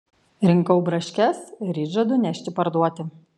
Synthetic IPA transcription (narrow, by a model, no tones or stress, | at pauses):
ɾʲɪŋkɐʊbɾɐʃʲkʲɛsɾʲiːʒɐd̪ʊnʲæʃʲt̪ʲɪpɐɾd̪uɔt̪ʲɪ